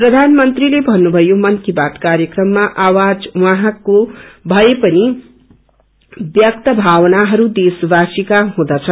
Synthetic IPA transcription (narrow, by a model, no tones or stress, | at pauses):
prʌd̪ʱanmʌnt̪rilebʱʌnːubʱʌjomʌnkibat̪kaɾjʌkrʌmːaʔawad͡zwãɦãkobʱʌepʌni | bjʌk̚t̪ʌbʱawʌnaɦʌɾud̪esbasikaɦũd̪ʌt͡sʰʌ